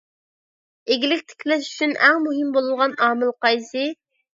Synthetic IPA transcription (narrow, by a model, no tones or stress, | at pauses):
eɡʲilɪkʲt̪ʰɪ̥kʲʰlɛʃy̥t͡ʃʰynæŋmuɦɪmbolˠulˠʁɑnɑːmɨlˠqɑjsɨ